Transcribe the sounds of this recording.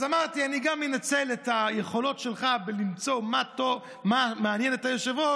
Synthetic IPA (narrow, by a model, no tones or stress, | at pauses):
zamaʁtianiɡamːenat͡sɛletajeχolotʃelχabelimt͡somato | mameanjɛnetajoʃevo